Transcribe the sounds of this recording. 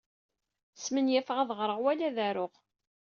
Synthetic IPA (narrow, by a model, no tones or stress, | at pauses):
smənjæfʁaðʁɾˤəʁwælæðæɾʊʁ